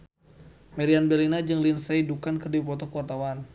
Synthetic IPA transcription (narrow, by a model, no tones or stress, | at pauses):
mɛɾianbɛlinad͡ʒɨŋlinsejdukankɨrdipɔt̪ɔkuart̪awan